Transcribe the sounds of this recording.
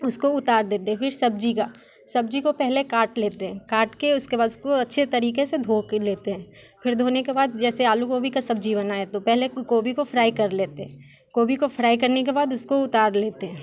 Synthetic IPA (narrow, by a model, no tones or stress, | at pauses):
ʊskoʊt̪aːɾd̪eːt̪eɦɛ̃pʰɪɾsɐbd͡ʒikaː | sɐb̚d͡ʒikopɛɦlekaːɾʈleːt̪eɦɛ̃ːkaːɾʈkeʊskebaːd̪ʊskoɐtːʃʰet̪ɐɾiːkesed̪ʱoːkleːt̪eɦɛ̃ː | fʰɪɾd̪ʱoːnekebaːd̪̚d͡ʒɛːseaːlukoːbʱikasɐbd͡ʒiβənaːet̪opɛɦlekoːbikofʰɾaːikɐɾleːt̪eɦɛ̃ː | koːbikofɾaːik̬ɐɾnek̬ebaːd̪ʊskoʊt̪aːɾleːt̪eɦɛ̃ː